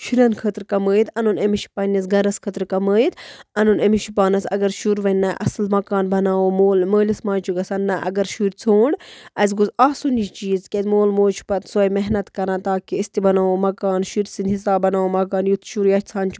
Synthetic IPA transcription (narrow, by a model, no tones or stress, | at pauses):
ʃiɾɐnkʰəːt̪ɾkɐməːjt̪ʰɐnunɐmiʃi̥pɐnːis̬ɡɐɾɐskʰɐt̪ɾkɐməːit̪ɐnunɐmiʃipaːnɐsɐ̰ɡɐɾʃuɾʋɐnːaːʔɐ̰slmɐkaːnbɐnaːwomoːlməːlismãːnt͡ʃʰuɡɐsɐnːaʔɐ̰ɡɐɾʃuɾʲt͡sʰoːɳɖɐz̬ɡuzaːsunit͡ʃiːzkʲezmoːlmoːlt͡ʃʰu̥pɐt̪sojmɛɦnɐt̪kɐɾãːt̪aːkiɐst̪ibɐnaːomɐkaːnʃiɾʲsind̪ʲɦisaːbɐnaːomɐkaːnjut̪ʰʃuɾjɐt͡sʰaːnt͡ʃʰ